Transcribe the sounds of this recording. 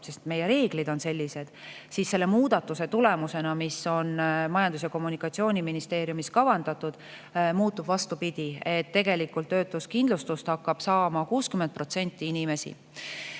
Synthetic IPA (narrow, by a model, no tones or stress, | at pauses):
se̞st̪me̞je̞ɾe̞ːɡ̥lid̪o̞nse̞lʲːise̞d̪̥ | sisːe̞lːe̞muːd̪̥ɑt̪ːˑuse̞t̪ule̞muse̞nɑmisːo̞nmɑjɑnd̪us̬jɑko̞mːunikːˑɑt̪sio̞ːnʲiminist̪e̞ːɾjumiskɑvɑnd̪ɑt̪ːˑud̪̥ | muːt̪ːˑub̥vɑst̪upid̪̥ʲie̞t̪ːe̞ɡ̥e̞likːult̪ːø̞ːt̪ːˑuskind̪lust̪ust̪hɑkːɑb̥sɑːmɑkuːskymend̪̚pro̞t̪se̞nʲt̪ːˑiinʲime̞sḭ